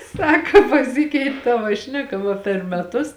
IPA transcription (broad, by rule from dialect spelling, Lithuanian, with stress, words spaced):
ˈsɑːkɐ pɐˈsʲɪkʲɛɪtʲ ˈtɑːʋɐ ˈʃʲnʲæːˌkɐ ʋɐ pʲɛr mʲɛˈtʊs